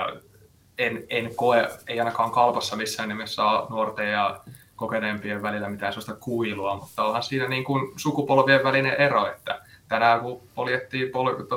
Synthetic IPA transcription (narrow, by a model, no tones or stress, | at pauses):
jɑ̰ | enenkoeeiɑˑinɑkɑːŋkɑlpɑsːɑmisːæːnimesːɑːnuort̪ejjɑkokeneːmpieʋʋælilːæmit̪æːsemːɑst̪ɑkuiluɑmut̪ːɑolhɑnsiːnæniːŋkunsukupolʋieʋʋælineʔeroet̪ːæ̰t̪ænæːkupoljet̪ːiːmpolt̪